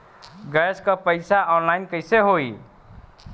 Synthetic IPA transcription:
ɡɛskəpəɪsaɔːnlaɪnkəɪseɦoi

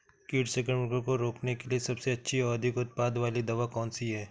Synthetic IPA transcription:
kiːʈseːkə̃ɳmɪkəɾkoɾoːknekeliesɐbseɐtːʃʰiɔːɐd̪ʱɪkʊt̪̚paːd̪ʋaːlid̪ɐʋakɔːnsiɦɛː

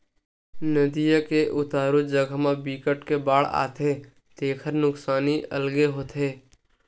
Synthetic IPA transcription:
nəd̪ijəkeʔʊt̪aːɾud͡ʒəɡʱəmãbiːkəʈkebaːɽ̤a̰ːt̪e | t̪eːkʰəɾnʊksaːniə̰lɡeɦoːt̪eː

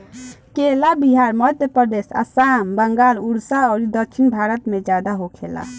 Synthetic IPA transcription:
kelabiɦaɾməd̪ʱjəpɾəd̪esa̰sambəŋɡaluɽsaɔɾid̪əkt͡ʃʰinbʱaɾət̪med͡ʒad̪aɦokʰela̰

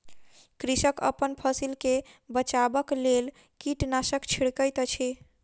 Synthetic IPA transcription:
kɾisəkə̰pənpʰəsilkebət͡ʃabəklel | kiʈnasəkt͡ʃʰiɽkəjt̪t͡ʃʰi

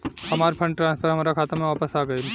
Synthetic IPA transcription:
hɐmaːɾpʰɐ̃ɳɖʈɾãːnspʰəɾɦɐmaːɾakʰaːt̪amẽʋaːpəsaːɡɐel

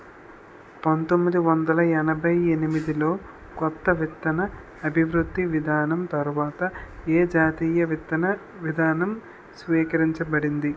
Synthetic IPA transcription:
pɐnt̪omːid̪iʋɐnd̪ɐlɐɛnɐbʱɐjenimid̪ilo̞ː | kɔt̪ːɐʋit̪ːɐnɐ | ɐbʱiʋɾud̪ːiʋid̪ʱaːnɐmt̪ɐɾuʋaːt̪ɐeːd͡ʒaːt̪iːjɐʋit̪ːɐnɐ | ʋid̪ʱaːnɐm | sʋiːkɐɾiɲt͡ʃɐbɐɽind̪i

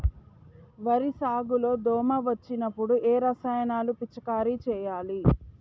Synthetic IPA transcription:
ʋɐɾisaːɡulo̞ːd̪ɔːmɐʋɐt͡ʃːinɐpːuɽuʔeːɾɐsajɐnaːlupit͡ʃːɐkaːɾit͡ʃɛːjaːli

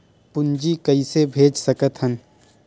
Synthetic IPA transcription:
pʊnd͡ʒikɐisebʱeːd͡ʒsəkət̪ɦən

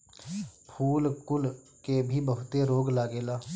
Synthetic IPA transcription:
pʰuːlkʊl | kebʱibəɦʊt̪eɾoːɡlaːɡeːlaː

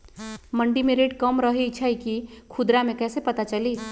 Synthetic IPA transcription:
məɳɖimẽɾeʈkəmɾəɦit͡ʃʰəjkikʰud̪ɾamẽkɛːsepət̪at͡ʃəli

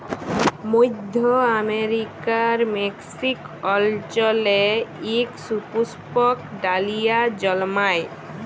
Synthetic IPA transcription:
mujd̪ʱːɔameɾikaɾmeksik | ɔlt͡ʃɔleiksupuspɔkɖalijad͡ʒɔlmaj

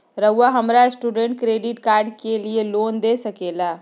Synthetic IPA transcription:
ɾəʊːaɦəmɾaɪsʈuːɖẽɳʈ̚kɾeːɖɪʈkaːɾɖkelieloːnd̪esəkeːla

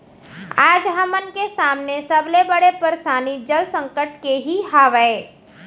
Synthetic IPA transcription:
aːd͡ʒɦəmənkesaːmnesɐblebəɽepəɾsaːnid͡ʒəlsə̃ŋkəʈkeɦiɦaːʋəe

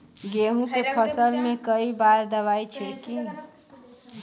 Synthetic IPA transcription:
ɡeɦũkepʰəsəlmẽkəibaɾd̪əʋajt͡ʃʰɛki

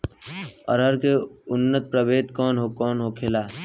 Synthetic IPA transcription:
ɔ̰ɾɦəɾkeʊnːət̪̚pɾəbeːt̪kɔːnɦokɔːnɦoːkʰeːlaː

